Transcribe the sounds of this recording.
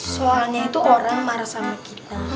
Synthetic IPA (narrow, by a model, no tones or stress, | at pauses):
soalɲait̪uoɾaŋmaɾasamakit̪a